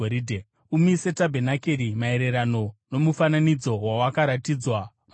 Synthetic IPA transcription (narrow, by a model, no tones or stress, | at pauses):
oɾidʱe | umise̞tabʱe̞nakeɾimae̞ɾe̞ɾano̞no̞mufananid͡zo̞wawakaɾatid͡zwa | m